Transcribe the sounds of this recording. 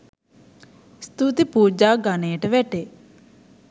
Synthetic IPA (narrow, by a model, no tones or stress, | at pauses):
st̪ut̪ipuːd͡ʒaːɡaneːəʈəʋɛʈe